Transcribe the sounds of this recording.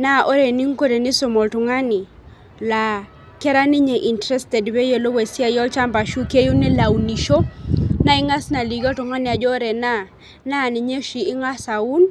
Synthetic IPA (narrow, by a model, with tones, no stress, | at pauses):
na˦ʔo˦ɾe˨ni˦ŋko˦de˨nɪ˦so˨mɔ˨ltʊ˨ŋa˦nɪ˨ | la˨ | kɛ˦ɾa˦nɪ˦ɲe˨ʔi˨ntɾɛ˦stɛ˨dbe˦je˦lo˦we˨sja˦jɔ˦t͡ʃa˦mba˨ʃu˦ke˦ju˦nɛ˦la˨u˨ni˨ʃo˦na˦ɪ˦ŋa˦sna˨li˨˦ɡɔ˦tʊ˨ŋa˦nɪ˨a˨d͡ʒɔ˦ɾe˨na˦ | na˦˨nɪ˨ɲe˦ʃi˨ɪ˦ŋa˦sa˨u˦n